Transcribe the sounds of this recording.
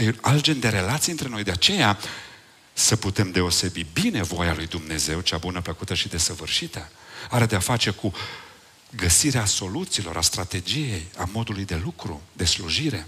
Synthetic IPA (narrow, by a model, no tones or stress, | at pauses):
alt̪̚d͡ʒend̪e̞ɾe̞lat̪siɨnt̪ɾe̞no̞jd̪eat͡ʃe̞ja | səput̪e̞md̪e̞o̞se̞bibine̞vo̞jalujd̪umne̞ze̞wt͡ʃabunəpləkut̪əʃid̪e̞səvɨrʃit̪əaɾed̪eafat͡ʃe̞ku | ɡəsiɾeaso̞lut̪siːlo̞̰ɾast̪ɾat̪e̞d͡ʒije̞jamo̞d̪ulujd̪e̞lukɾud̪e̞sluʒiɾe̞